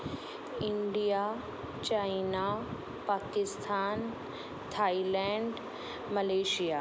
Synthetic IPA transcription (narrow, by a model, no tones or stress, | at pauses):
ɪɳɖija | t͡ɕajna | paːkɪst̪ʰaːn | t̪ʰailɛ̃ɳɖ | məleːʃija